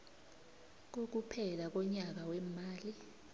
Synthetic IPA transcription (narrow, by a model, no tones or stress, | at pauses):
k̬ok̬upʰɛlak̬ɔɲak̬awɛmaːli